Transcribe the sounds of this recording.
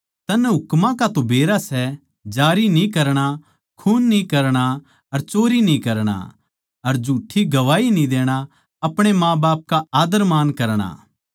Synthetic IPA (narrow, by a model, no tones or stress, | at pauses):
t̪ɐnɛɦʊkmãkat̪obeːɾasɛ | d͡ʒaːɾinĩkɐɾɽ̃a | kʰuːnːĩkɐɾɽ̃a | ɐɾt͡ʃoːɾinĩkɐɾɽ̃a̰ | ɐɾd͡ʒuːʈʰːiɡɐʋaːinĩd̪eːɽ̃a | ɐpɽ̃emãːbaːp̚kaaːd̪əɾmaːnkɐɾɽ̃a̰ː